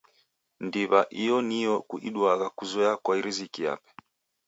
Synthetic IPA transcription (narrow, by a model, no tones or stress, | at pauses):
ndiβaʔijɔnijɔkuʔiɗwaɣakuzɔjakwaiɾizikia̰pɛ̥